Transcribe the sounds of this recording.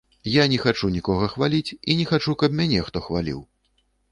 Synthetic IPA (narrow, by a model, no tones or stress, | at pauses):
janʲɛxat͡ʂunʲikɔɣɐxvalʲit͡sʲinʲɛxat͡ʂukɐp̚mʲanʲɛxt̪ɔxvalʲḭw